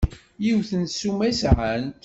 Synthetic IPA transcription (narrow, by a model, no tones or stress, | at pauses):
jiwθənt̪sumæsʕənt̪